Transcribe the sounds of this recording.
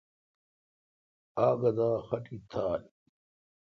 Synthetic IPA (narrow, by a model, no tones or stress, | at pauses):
aːɡɐd̪aːxɐʈit̪ʰaːl